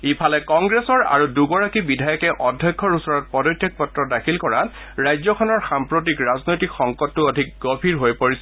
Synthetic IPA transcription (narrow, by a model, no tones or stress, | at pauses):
epʰalɛkɔŋɡɹesɔɹa̰ɹuduɡɔɹakibidʱajɔkɛʔɔdʱjɔjkʰːɔɹusɔɹɔt̚pɔdɔjtʰːjɔk̚pɔtɹɔdakʰilkɔɹat | ɹajzɔkʰɔnɔɹxampɹot̬ikɹaznojtikxɔŋkɔtːuodʱik̚ɡɔbʰʱiɹɦojpoɹis